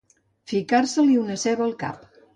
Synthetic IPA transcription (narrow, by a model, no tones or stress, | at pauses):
fikaɾsəliunəsɛβəːlˠka̰p